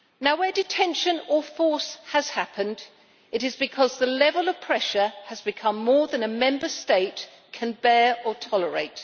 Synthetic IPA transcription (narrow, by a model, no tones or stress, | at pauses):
naʊwədɨtʰɛ̃nʃɨ̃nəfɔɹsəz̥hapʰə̃nd | ɨɾɨzbɨkʰɒzðəlɛvəlˠʌv̥pʰɹ̥ɛʃə˞əzbɨkʰʌ̃mːɔːɹðə̃nəmɛ̃mbə˞steɪt | kʰɨ̃nbɛɹətʰɒlˠəɹḛɪt